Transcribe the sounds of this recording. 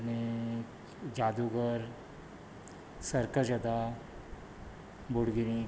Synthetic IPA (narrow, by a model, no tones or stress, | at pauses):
ne | d͡ʒaːd̪uɡəɾ | səɾkəd͡ʒəd̪a | bʊɽɡɪɾĩ